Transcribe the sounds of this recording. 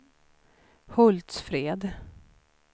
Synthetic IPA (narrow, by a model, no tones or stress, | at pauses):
hɵlt̪sfɾeːd̪